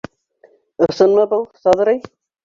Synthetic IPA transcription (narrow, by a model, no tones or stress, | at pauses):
ɤ̆sɤ̆nmɤbɤlˠsɑðɤ̆ɾɤj